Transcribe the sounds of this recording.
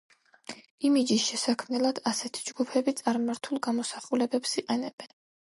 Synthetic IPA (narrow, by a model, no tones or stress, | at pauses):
imid͡ʒisʃɛsakʰmnɛlˠad̪̥asɛt̪ʰi̥d͡ʒɡupʰɛbit̪sʼaɾmaɾt̪ʰulˠɡamɔsaχulɛbɛpsiqʼɛnɛb̥ɛn